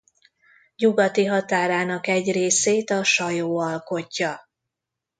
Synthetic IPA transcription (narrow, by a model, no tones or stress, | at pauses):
ɲuɡɒt̪iɦɒt̪aːɾaːnɒkɛɟreːseːt̪ɒʃɒjoːɒlko̞cːɒ